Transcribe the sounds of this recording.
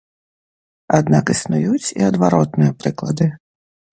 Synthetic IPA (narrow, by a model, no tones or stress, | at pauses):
ɐd̪nɑkisnʊjut͡sʲḭɔd̪ʋɐɾɔt̪nʊjɛpɾɪklˠɐd̪ɪ